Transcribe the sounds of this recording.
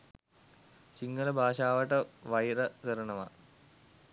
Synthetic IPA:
siŋɡɐlɐbʱaːʂaːʋɐʈːɐʋɐjɾɐkɐɾɐɳɐʋɐ

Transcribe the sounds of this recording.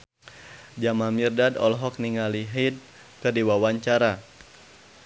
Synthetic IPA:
d͡ʒamamirdadɔ̰lɦɔk̚niŋaliɦid̚ | kɨrdiwawaɲt͡ʃaɾa

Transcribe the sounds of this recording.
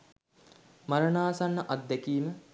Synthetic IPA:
maɾənaːsanːəʔad̪ːɛkiːmə

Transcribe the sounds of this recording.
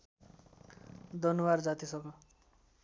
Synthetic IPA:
d̪ʌnuward͡zat̪isʌmmʌ

